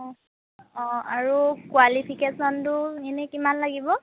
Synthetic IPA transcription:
ɔ | ɔaɹukwalipʰikesɔntʊenɛkimanlaɡibɔ

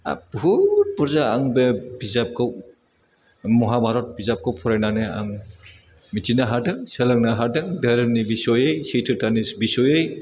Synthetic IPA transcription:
a̰b̥ut̚pɔɾzaːŋbebizap̚kʰaw | mɔɦabʱaɾɔt̚bizap̚kʰawpʰɔɾajnanea̰ŋ | mitʰinaɦadɯŋselɐŋnaɦadɯŋdaɾɯnibisɔjejsitʰɯɾtanisbisɔjej

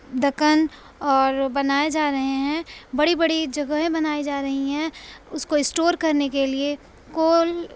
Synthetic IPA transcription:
d̪ɐkən | ɔːɾbɐnaːed͡ʒaːɾɐɦẽɦɛ̃ːbɐɽibɐɽid͡ʒɐɡəɦẽbɐnaːid͡ʒaːɾɐɦiɦɛ̃ʊskoɪsʈoːɾkɐɾnekelie | koːl

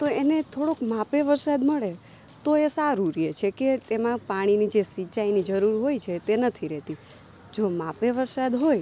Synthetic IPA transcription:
t̪oenet̪ʰoɽokmapeʋəɾsad̪məɭe | t̪oesaɾuɾiet͡ʃʰeket̪emãpaɽ̃inid͡ʒesit͡ʃainid͡ʒəɾuɾɦojt͡ʃʰet̪enət̪ʰiɾɛt̪i | d͡ʒomãpeʋəɾsad̪ɦoj

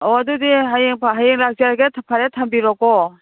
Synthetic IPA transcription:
ɔadudiɦajeŋpʰaɦajeŋlak̚ziaɾɡetʰapʰaɾetʰambiɾɔkɔ

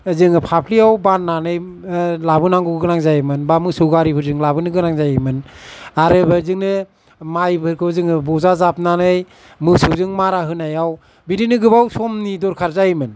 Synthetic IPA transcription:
zɯŋɯpʰapʰliawbanːanɯjlabɯnaŋɡuɡɡɯnaŋzajmɯnbamɯsɯwɡaɾipʰɯɾzɯŋlabɯnɯɡɯnaŋzajmɯnaɾɯbɯzɯŋnɯ | majbʰɯɾkʰɯzɯŋɯbɔzazap̚nanɯj | mɯsɯwzɯŋmaɾaɦɯnajaw | bidinɯɡɯbawsɔmnidɔɾkʰaɾzajmɯn

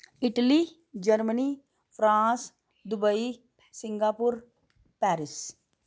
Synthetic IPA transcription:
ɪʈliː | d͡ʒəɾməniː | pʰɾãːs | d̪ʊbəiː | sɪŋɡaːpʊɾ | pɛːɾɪs

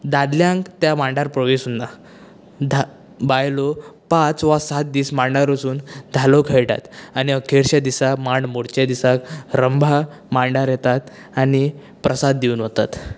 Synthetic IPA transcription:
d̪ad̪ljãŋkt̪jamãɳɖaɾpɾəʋesunːa | d̪ʱa | bajlɔpãt͡sʋasat̪̚d̪iːsmaɳɖaɾosuːnd̪ʱalokʰeɭʈa̰t̪añiəkʰeɾɕad̪isakmaɳɖmoɽt͡ɕad̪isakɾəmbʱamaɳɖaɾjet̪at̪ | ani | pɾəsad̪ːiuːnʋot̪at̪

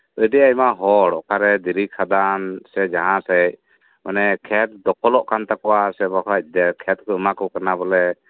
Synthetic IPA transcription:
əjɖɛajmaɦɔɽɔʔkʰaɾɛd̪iɾikʰad̪ansɛd͡ʒaɦãsɛc̚ | manɛkʰɛt̪̚d̪ɔkɔlɔʔkant̪akɔwasɛbɔkʰac̚ˀd̪ɛkʰɛt̪̚kɔəmakɔwkanabɔlɛ

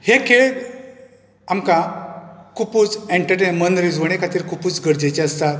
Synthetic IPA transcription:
hekʰeɭ | amkã | kʰupuːt͡sẽɳʈəɾʈenmənɾid͡zʋəɽ̃ekʰat̪iːɾkʰupuːt͡sɡəɾd͡ʑet͡ɕeəst̪at̪

